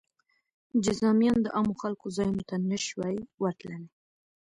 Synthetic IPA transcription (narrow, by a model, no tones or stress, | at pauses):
d͡ʒɪzɑmjɑnd̪əʔɑmoxalkozɑjnot̪anəʃwajwaɾt̪lane